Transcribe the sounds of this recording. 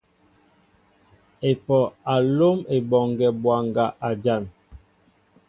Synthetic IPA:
e˨pɔ˨a˨lo˦me˨bɔ˨ŋɡɛ˨bwa˨ŋɡa˨ʔa˨d͡ʒa˦˨n

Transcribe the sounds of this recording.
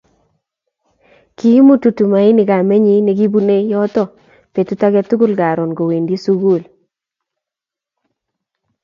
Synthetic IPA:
ki˦mu˦tu˨tu˨ma˨ɪ˦nɪ˨ɡa˨me˦ɲi˦ne˨ɡi˦bu˦ne˦jɔ˦tɔ˦ | pe˨tu˦ta˦ɡɛ˦tu˦ɡu˦lɡa˨ɾɔ˨nɡo˨we˨ndi˦su˦ɡu˦˨l

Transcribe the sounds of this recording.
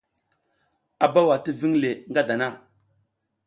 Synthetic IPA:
a˨ba˦wa˨ti˦vi˦ŋle˨ŋɡa˦da˨na˦˨

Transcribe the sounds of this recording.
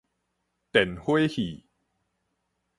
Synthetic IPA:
t̪e˨˩nhu˥˩əjhiː˨˩

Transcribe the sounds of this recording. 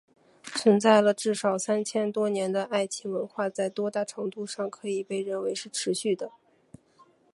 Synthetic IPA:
t͡sʰwə˧˥nt͡sa˥˩ɪlə˩ʈ͡ʂɻ̩˥˩ʂɑ˨˩ʊsa˥nt͡ɕʰjɛ˥nt̪wɔ˥njɛ˧˥nd̪ə˧ʔa˥˩ɪt͡ɕʰi˧˥ŋwə˧˥nxwa˥˧t͡sa˥˩ɪt̪wɔ˥t̪a˥˩ʈ͡ʂʰɤ˧˥ŋt̪u˥˧ʂɑ˥˩ŋkʰɤ˧˥i˨˩pe˥˧ɪɻə˥˩nwe˧˥ɪʂɻ̩˥˩ʈ͡ʂʰɻ̩˧˥ɕy˥˩d̪ə˩

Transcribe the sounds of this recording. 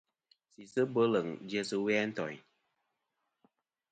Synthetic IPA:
si˨sɨ˦bə˦lə˨ŋd͡ʒjə˦sɨ˧wɛ˦n̩˦tɔ̰˨ɲ

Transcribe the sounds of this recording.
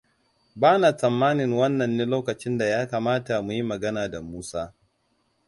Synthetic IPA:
baː˦na˨sɐ˨mːaː˦nɪ˨ŋwɐ˦nːɐ˨nːiː˦loː˦kɐ˨t͡ʃɪ˦nda˨jaː˦kaː˨maː˦ta˨mu˨ji˦mɐ˨ɡɐ˦naː˨da˨muː˦saː˦

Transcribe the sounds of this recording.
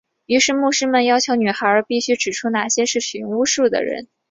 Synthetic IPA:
y˧˥ʂɻ̩˥˧mu˥˩ʂɻ̩˥mə˨njɑ˥ʊt͡ɕʰjo˧˥ʊny˨˩xa˧˥ə˞˧˥pi˥˩ɕy˥ʈ͡ʂɻ̩˨˩ʈ͡ʂʰu˥na˨˩ɕjɛ˥ʂɻ̩˥˩ɕy˧˩˥ŋu˥ʂu˥˩d̪ə̰˩ɻə̰˧˥n

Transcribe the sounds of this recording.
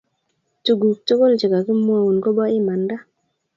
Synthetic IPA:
tu˨ɡu˨k̚to˦ko˦lt͡ʃi˨ka˨ki˦mwa˦u˨nko˦ba˦ɪ˦ma˨nda˦

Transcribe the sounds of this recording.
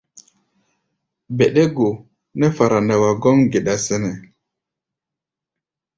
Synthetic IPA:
bɛ˨ɗɛ˦ɡo˨ | nɛ˦fa˨ɾa˨nɛ˨wa˨ɡɔ˦mɡe˨ɗa˨sɛ˦nɛ˨

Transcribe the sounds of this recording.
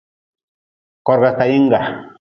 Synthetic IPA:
kɔ˨ɾɡa˨ta˨ji˦ŋ˦ɡa˨

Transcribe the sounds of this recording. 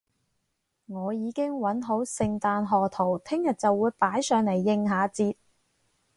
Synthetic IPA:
ŋɔː˨˧jiː˨˧kɪ˥ŋwɐ˨˥nɦo˨˥wsɪ˧ŋt̪aː˧nɦɔː˨t̪ʰo˨˩wt̪ʰɪ˥ŋjɐ˨t̚t͡sɐ˨wːuː˨˧jpaː˨˥jsœː˨˧ŋle˨˩jːɪ˧ŋɦaː˨˧t͡siː˧t̚

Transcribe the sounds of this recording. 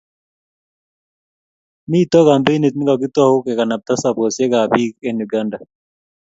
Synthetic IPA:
mi˦˨t̪ɔ˦ka˨mbe˦ni˨t̪̚ni˦ɡa˨k̬i˦t̪ɔ˦hu˦kɛ˨ka˨na˨b̚t̪a˦sa˨bɔ˨sɛ˦ɡa˨bi˦kɛ˦nu˨ɡanda˨

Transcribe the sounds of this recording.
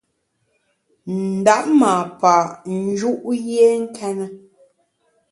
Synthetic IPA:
n̩˨da˦ʔ̚ma˨pa˨n̩˦d͡ʒu˦ʔje˦ŋ̩˦kʰɛ˦nə˦

